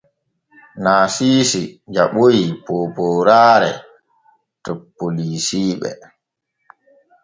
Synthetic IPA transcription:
naːsiːsid͡ʒaɓojipɔːpɔːɾaːɾɛ̰ | tɔpːolisiːɓɛ̰

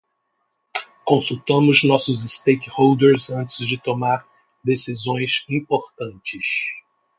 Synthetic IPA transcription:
kõsut̪ɐ̃mʊznɔsʊzɪst̪ejkɪhowd̪eɾzɐ̃nt͡ʃɪzd͡ʒɪt̪omaɾ | d̪esizõj̃sĩpoɾt̪ɐ̃nt͡ʃɪs

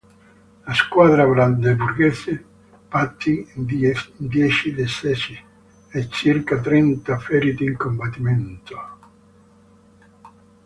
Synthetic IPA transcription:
laskwaðɾaβɾand̪ebuɾɡɛse | pat̪ːi | nd̪jɛt͡ʃid̪esɛsi | et͡ʃːirkat̪ɾɛnt̪afɛɾit̪iŋkombat̪ːimɛnt̪o̥

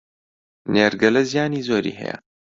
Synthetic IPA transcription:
neːɾɡɐlɐzijaːniːzoːɾḭːɦɛ̰jɛ̰

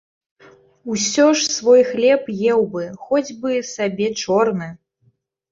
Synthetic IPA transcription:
usʲɔʂsvɔjxlʲɛpjɛwbɨxɔd͡zʲbɨsabʲɛt͡ʂɔrnɨ

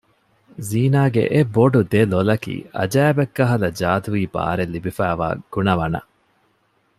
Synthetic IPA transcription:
ziːnaːɡḛʔebːoɖud̪elolɐkḭːʔɐ̰d͡ʒæːbekːɐɦɐlɐd͡ʒaːt̪uʋiːba̰ːɾelːibifæːʋa̰ːɡ̥unɐʋɐnɐ̰

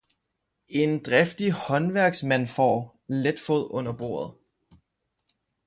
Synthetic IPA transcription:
e̝nd̥ʁɛfd̥ihɒ̽nʋæɐ̰ɡ̥smæn̰fɒ̰ː | led̥foð̰ˠɔ̽n̰ɐb̥o̝̰ːɐ̰ð̞̩ˠ

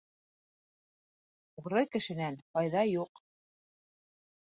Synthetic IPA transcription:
uʁɾɤkɘ̆ʃɘ̆nænqɑjðɑjuq

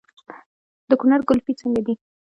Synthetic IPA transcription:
d̪̥əkʊnaɾɡʊlpit͡səŋɡad̪i

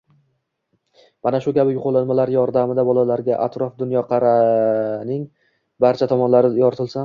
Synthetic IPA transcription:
manaʃʊkʲʰabɪjʊqʰɒlˠɪnmalaɾjɒɾd̪amɪd̪abɒlˠalaɾɡʲaʔat̪ɾɒfd̪ʊnjɒqʰɑɾanɪŋ | baɾt͡ʃʰat̪ʰɒmɒnlaɾɪjɒɾt̪ʰɪlˠsa

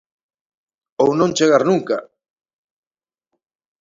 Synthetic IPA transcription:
ownõnt͡ʃeɣaɾnũŋka

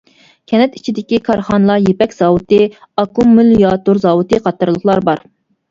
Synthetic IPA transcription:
kʲʰɛnɛt̪i̥t͡ʃʰid̪ɪkʲikʰɑɾχɑnlˠɑjepɛkʲz̥ɑːwut̪ɨ | ɑkumːyljɑt̪uɾzɑwut̪ɨqʰɑt̪ːɨɾlˠəχlˠɑɾbɑɾ

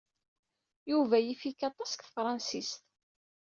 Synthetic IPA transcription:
juvæjifikːɑt̪ˤɑskθəfɾˤɑnsist̪

